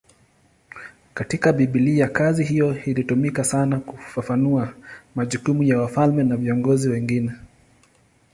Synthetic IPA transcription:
katikaɓiɓiliːjakazihijɔilitumikasanakufafanuamaʄukumujawafalmɛnaviɔŋɡɔziwɛŋɡinɛ

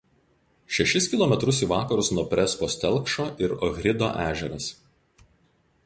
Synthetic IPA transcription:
ʃʲɛʃʲɪskʲɪlˠɔmʲɛt̪ɾʊsiːˑʋɑːkɐɾʊsnuɔpʲɾʲɛspoːsʲt̪ʲɛlˠˑkʃoːʔɪɾɔɣʲɾʲɪd̪o̰ːʔæːʒʲɛɾɐs

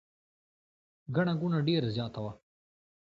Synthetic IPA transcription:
ɡaɽ̃aɡunaɖeːɾazjɑːt̪awa

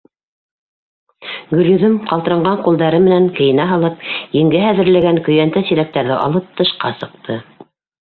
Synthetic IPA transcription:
ɡɵ̆ljɵ̆ðɵmqɑlt̪ɤ̆ɾɑɴɢɑɴqulˠd̪ɑɾɤmɘ̆næŋkɘ̆jɘ̆næɦɑlˠɤpjɘ̆ŋɡɘɦæðɘ̆ɾlæɡæŋkɵ̆jænt̪æsiɾæk̚t̪æɾðɘʔɑ̰lˠɤp̚t̪ɤ̆ʃqɑsɤ̆q̚t̪ʰɤ

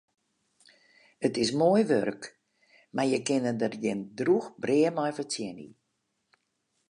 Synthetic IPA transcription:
ətɪs̬moəjʋø̰rk | marjəkɪnədərjɪndruxbreːəmɔjfət͡sjɛnḭ

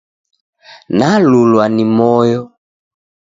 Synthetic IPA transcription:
nalulwanimɔjɔ

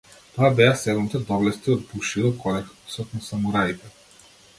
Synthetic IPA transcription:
t̪ɔabɛasɛd̪mut̪ɛd̪ɔvlɛst̪iɔd̪̚buʃid̪ɔkʰɔlɛkpɔsɔt̪nɔsamuɾajt̪ɛ

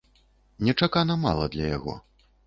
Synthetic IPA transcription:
nʲɛt͡ʂakanɐma̰lˠɐd̪lʲɐja̰ɣɔ̰

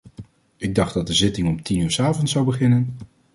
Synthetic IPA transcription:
ɪɡ̚dɑχdɑt̚dəzɪtɪŋɔmtinyːɹsaːvɔntsʌwbəχɪnən

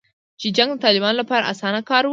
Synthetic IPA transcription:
t͡ʃed͡ʒaŋɡd̪ət̪ɑlɪbɑnolapɑɾa̰ʔasɑnakɑɾw

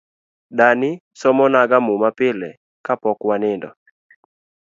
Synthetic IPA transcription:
danɪ | sɔmɔnaɡamumapɪlɛ | kapɔkwanɪndɔ̰

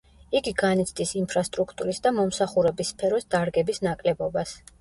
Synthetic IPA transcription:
iɡiɡanit̪sʰd̪ʼisimpʰɾast̪ʼɾukʰt̪ʼuɾisd̪amɔmsaχuɾɛbisːpʰɛɾɔsd̪aɾɡɛbisnakʼlɛbɔbas

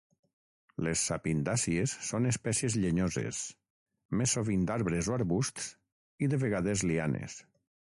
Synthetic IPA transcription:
lesːapind̪asiesːonespɛsiezʎeɲozḛs | mesːoβind̪aɾβɾezoaɾβust̪s | iðeβeɣaðezlianḛs

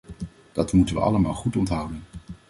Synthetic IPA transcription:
d̥ɑtmutənʋə̰ɑ̰ləmaːlˠχutɔntɦʌwdən

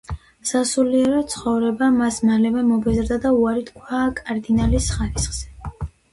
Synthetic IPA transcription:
sasuliɛɾɔt̪sʰχɔvɾɛbamasmalɛvɛmɔbɛzɾd̪ad̪auaɾit̪ʰkʰwaːkʼaɾd̪inalisχaɾisχz̥ɛ

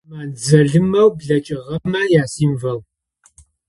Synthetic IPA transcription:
maːnd͡zɐɮɨmɐwbɮɐt͡ʃʼɪʁɐmɐjaːsiːmvɐw

